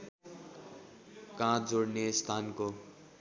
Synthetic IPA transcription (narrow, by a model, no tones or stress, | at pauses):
kãd͡zoɽnest̪ʰanko